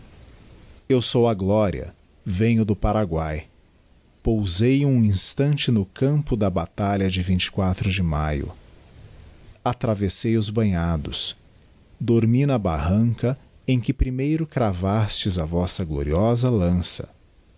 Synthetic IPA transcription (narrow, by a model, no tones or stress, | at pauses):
ewsowɐɡlɔɾḭɐ̰ | vẽɲʊd̪ʊpaɾaɡwaj | powzejũĩst̪ɐ̃nt͡ʃɪnʊkɐ̃mpʊd̪ɐbat̪aʎɐd͡ʒɪvĩnt͡ʃɪ̥kwat̪ɾʊd͡ʒɪmajʊ̰ | at̪ɾavesejʊzbɐ̃ɲad̪ʊ̰s | d̪oɾminɐbaɦɐ̃ŋkɐẽj̃kɪpɾimejɾʊkɾavast͡ʃɪzɐvɔsɐɡlo̰ɾiɔzɐlɐ̃sɐ̰